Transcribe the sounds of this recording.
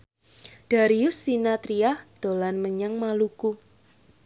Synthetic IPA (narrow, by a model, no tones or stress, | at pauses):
d̥a̤ɾiʊsːinat̪ɾiahd̪̥o̤lanməɲaŋmaluku